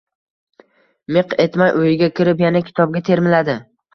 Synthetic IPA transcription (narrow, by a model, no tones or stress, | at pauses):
meqe̞t̪majʔojɪɡʲakʲʰɪɾɪpjanakʲʰɪ̥t̪ʰɒb̚ɡʲat̪ʰe̞ɾmɪlad̪ɪ